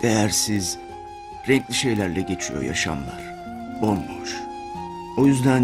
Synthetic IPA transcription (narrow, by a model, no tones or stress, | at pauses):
d̪̥ejæɾsiz | ɾɛɲclʲiʃe̞jlʲæɾlʲɛɟe̞t͡ʃʰijo̰ja̰ʃa̰mlˠa̰ɾ̥ | onˠːoɾ | o̞jyzd̪æn